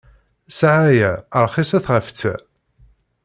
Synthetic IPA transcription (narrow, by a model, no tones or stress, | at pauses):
sʕajæəɾˤχisæθʁəft͡sːæ̰